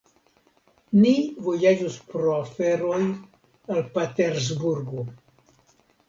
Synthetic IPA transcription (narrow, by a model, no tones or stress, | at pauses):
nivo̞jad͡ʒuspɾoafe̞ɾo̞jn | alpateɾzbuɾɡo